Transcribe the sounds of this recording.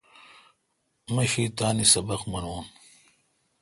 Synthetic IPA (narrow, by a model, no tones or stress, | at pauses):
mɐɕiːt̪aːnisɐbɐqmɐnoːn